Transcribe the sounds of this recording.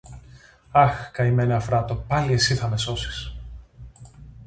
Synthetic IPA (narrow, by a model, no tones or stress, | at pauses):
ɐxkɐime̞neɐfɾɐt̪opɐlie̞siθɐme̞so̞si̥s